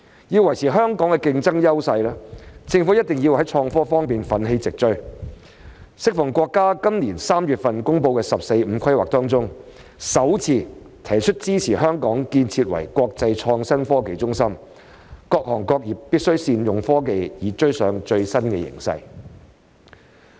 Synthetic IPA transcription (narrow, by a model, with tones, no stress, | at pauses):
jiː˧wɐ˨˩jt͡sʰiː˨˩ɦœː˥ŋkɔː˨˥ŋkɛ˧kɪ˧ŋt͡sɐ˥ŋjɐ˥wsɐ˧jlaː˥t͡sɪ˧ŋfu˨˥jɐ˥t̚t̪ɪ˨˩ŋjiː˧whɐ˨˥jt͡ʃʰɔː˧ŋfɔː˥fɔː˥ŋpiː˨nfɐ˨˥nɦe˧jt͡sɪ˨k̚t͡ʃɵ˥ɥ | sɪ˥k̚fɔ˨˩ŋkʷɔː˧kːaː˥kɐ˥mniː˨˩nsaː˥mjyː˨t̚fɐ˨nkʊ˥ŋpo˧wkɛː˧sɐ˨p̚se˧jm̩˨˧kʰɐ˥jwaː˨k̚t̪ɔː˥ŋt͡sʊ˥ŋ | sɐ˨˥wt͡sʰiː˧ | t̪ʰɐ˨˩jt͡ʃʰɵ˥t̚t͡siː˥t͡sʰiː˨˩ɦœː˥ŋkɔː˨˥ŋkiː˧nt͡sʰiː˧t̚wɐ̰˨˩jkʷɔː˧k̚t͡sɐ˧jt͡ʃʰɔː˧ŋsɐ˥nfɔː˥ke˨˧jt͡sʊ˥ŋsɐ˥m | kɔː˧k̚hɔː˨˩ŋkɔː˧k̚jiː˨p̚piː˥t̚sɵ˥ɥsiː˧njʊ˨ŋfɔː˥ke˧jjiː˨˧t͡ʃɵ˥ɥsœː˨˥ŋt͡ʃɵ˧ɥsɐ˥nkɛ̰˧jɪ̰˨˩ŋsɐ̰˧j